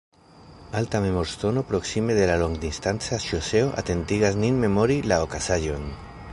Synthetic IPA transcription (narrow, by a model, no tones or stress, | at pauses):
alt̪amemoɾst̪onopɾoksimeðelaloŋɡd̪inst̪ant͡saʃoseoʔa̰t̪ent̪iɣazninmemoɾilaokasaʒon